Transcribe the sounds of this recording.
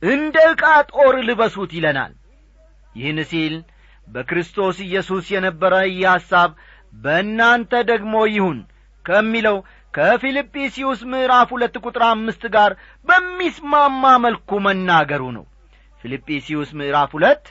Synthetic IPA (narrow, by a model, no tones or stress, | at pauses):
ʔɨnd̪əɨkʼat̪ʼo̞ɾlɨβəsut̪jɪləna̰l | jɪhɨnɨsil | bəkɾɨst̪ʰo̞sɨjːɛsusjɛnəbːəɾəɨjːɛhasːaβ | bəɨnːant̪ʰəd̪əɡmo̞jɪhun | kʰəmːiləw | kʰəfilipʼːisiwusmɨʔɨɾafhulət̪ːkʷʼut̪ʼɾamːɨst̪ɡaɾ | bəmːismamːaməlkumənːaɡəɾunə̰w | filipʼːisiwusmɨʔɨɾafhulət̪ː